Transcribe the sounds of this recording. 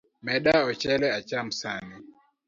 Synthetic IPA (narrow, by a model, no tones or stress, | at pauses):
mɛɗaɔt͡ʃɛlɛat͡ʃam̩sani